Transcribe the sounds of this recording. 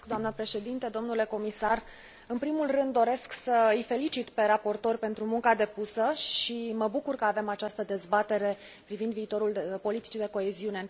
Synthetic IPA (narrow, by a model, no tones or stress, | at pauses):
kd̪oamnəpɾe̞ʃe̞d̪int̪ed̪o̞mnule̞ko̞misar | ɨnpɾimulrɨnd̪ːo̞ɾe̞sksəɨjfe̞lit͡ʃit̪pe̞ɾapo̞rt̪o̞rʲpe̞nt̪ɾumuŋkad̪e̞pusəʃiməbukurkəave̞mat͡ʃast̪əd̪e̞zbat̪e̞ɾe̞ | pɾivind̪viːt̪o̞ɾulpo̞lit̪i̥t͡ʃid̪e̞ko̞e̞ziune